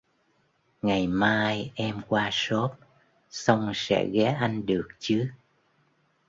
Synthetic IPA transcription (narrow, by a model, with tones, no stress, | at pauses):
ŋa˨˩jmaː˧jʔɛ˧mkwaː˧so˦˥t̚ | sə˧wŋ͡msɛ̰˧˥ɣɛ˨˦ʔa˧jŋ̟ɗɨ˨˩ək̚t͡ɕɨ˨˦